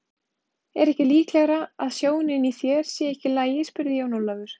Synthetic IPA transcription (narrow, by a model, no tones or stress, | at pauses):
ɛɾɛhcɪliːklɛɣɾaa̰ðsjoːwnɪniθjɛɾ̥sjɛɛhcɪlaːjɪspʏɾðɪjawnolavʏɾ̥